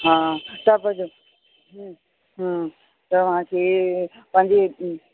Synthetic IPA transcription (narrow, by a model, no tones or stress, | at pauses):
ɦaːt̪ɐpɐd͡ʑo | ɦ | ɦ | t̪ɐʋ̤ãkʰeː | pɐ̃ɦɪ̃ɲd͡ʑe